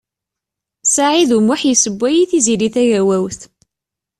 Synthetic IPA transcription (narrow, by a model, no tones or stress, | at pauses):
saʕiðumʊħjisəbʷːæjiθiziliθæʝæwæwθ